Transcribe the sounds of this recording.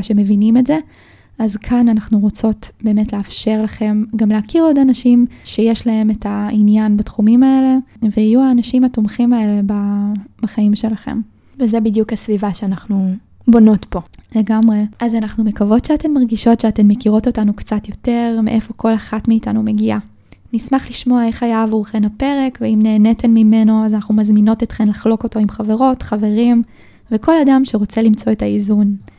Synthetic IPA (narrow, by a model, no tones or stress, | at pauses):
ʃe̞me̞vinimetze̞ | azkʰananaχnuʁo̞t͡so̞tbe̞ːmetleafʃe̞ʁlaχe̞mɡamleakiʁo̞danaʃimʃejeʃlaɦe̞metʰainjanbatχumimae̞le̞vehijuaːnaʃimhatomχimae̞le̞bab̥aχaimʃe̞laχe̞̰m | vezebidjukasvivaʃeanaχnu | bo̞no̞tpo̞le̞ɡamʁe̞ʔazanaχnumekavo̞tʃeate̞mːaʁɡiʃo̞tʃeate̞mːekiʁo̞to̞tanukt͡satjo̞te̞ʁmḛʔefo̞ko̞laχatmiːtanume̞ɡia | nismaχliʃmoaeχajavuχenape̞ʁekveimneːnetenmime̞no̞azanaχnumazmino̞tet̪χemlaχlo̞ko̞to̞imχave̞ʁo̞tχave̞ʁim | veko̞ladamʃeʁo̞t͡se̞limt͡so̞e̞taizun